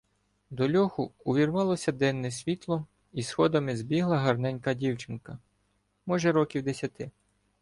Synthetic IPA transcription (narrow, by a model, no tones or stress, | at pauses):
d̪ɔlʲɔxʊʊʋʲirʋɑlˠɔsʲɐd̪ɛnːɛsʲʋʲit̪lˠɔ | isxɔd̪ɐmɪzbʲiɦlˠɐɦɐrnɛnʲkɐdʲiwt͡ʃɪnkɐ | mɔʒɛɾɔkʲiwd̪esʲɐt̪ɪ